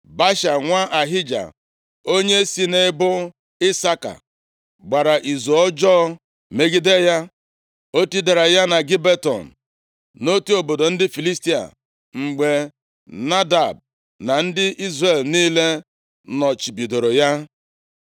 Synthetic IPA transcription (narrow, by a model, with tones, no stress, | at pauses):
ba˦ʃa˨ŋʷa˦ʔa˨ɦɪ˦d͡ʒa̰˨ | o˦ɲe˦si˦ne˦bʊ˦ | ɪ˦sa˦ka̰˨ | ɡ͡ba˨ɾa˨ʔi˨zu˨ɔ˦d͡ʒɔː˦ | me˦ɡi˦de˦ja˦ | o˦ti˦da˨ɾa˨ja˦na˨ɡi˦be˦tɔ̰˨n̩˨ | no˦tu˦o˨bo˨do˨n̩˦dɪ˦fi˨li˦sti˦a̰˨ | ŋ͡m̩˨ɡ͡be˨ | na˦da˨b̚ | na˨n̩˦dɪ˦ʔi˦zre˨lniː˦le˦ | nɔ˨t͡ʃi˨bi˨do˨ɾo˨ja˦